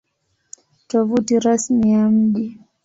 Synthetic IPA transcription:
tɔvutiɾasmijam̩ʄi

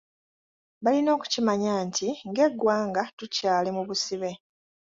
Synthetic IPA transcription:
βalino̞ːku̥cimaɲaːntiŋɡe̞ɡːwaːŋɡatucaːle̞muβusiβe̞

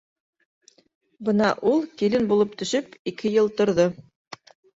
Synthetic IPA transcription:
bɤnɑʔulˠkilɘnbulˠɤp̚t̪ɵ̆ʃɵpikʰɘjɤlˠt̪ŏɾðo

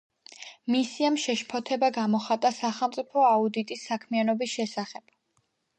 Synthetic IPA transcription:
misiamʃɛʃpʰɔt̪ʰɛbaɡamɔχat̪ʼasaχɛlˠmt̪sʼipʰɔaud̪it̪ʼisːakʰmianɔbisʃɛsaχɛb̥̚

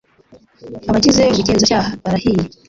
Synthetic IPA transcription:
aβacizeuβiceːnzocaːhaβaɾahiji

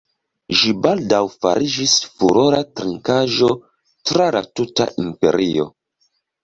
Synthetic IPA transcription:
ʒibaldawfa̰ɾid͡ʒisfuɾoɾatɾiŋkaʒo̞ | tɾala̰tuta̰ʔimpe̞̰ɾio̞̰

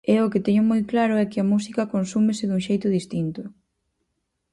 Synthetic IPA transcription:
ɛʊkɪt̪ɛɲʊmojklaɾʊɛkɪɐmusikɐkonsumɪsɪðuŋʃejt̪ʊðist̪int̪ʊ

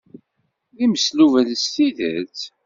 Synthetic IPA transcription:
ðiməsluvælst̪iðə̰t͡s

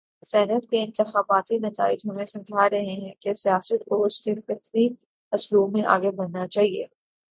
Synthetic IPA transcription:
sɛːnəʈkeɪ̃nt̪ɪxaːbaːt̪inɐt̪a̰ːɪd͡ʒɦoːnẽsɐ̃md͡ʒʱaɾɐɦeɦɛ̃kesijaːsət̪koʊskefɛt̪ʰɾi | ɐsluːbmẽʔa̰ːɡebɐɾnat͡ʃaːɦiḛː

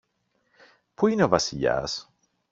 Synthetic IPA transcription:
puineovɐsiʎɐ̰s

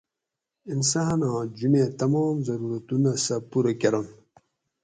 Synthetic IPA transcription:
insanãːd͡ʑumẽt̪ɐmaːmzɐɾuɾɐt̪unasɐpuɾɐkeɾɐn

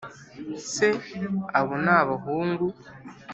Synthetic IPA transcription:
seaβonaβaɦuːŋɡu

